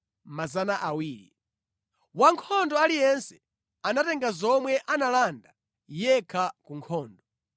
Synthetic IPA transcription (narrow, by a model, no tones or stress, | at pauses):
mazanaʔawiːɾḭ | waŋkʰɔndɔalijɛnsɛ̥ | anatɛŋɡazɔmwɛʔanalanda | jɛkʰakuŋkʰɔːndɔ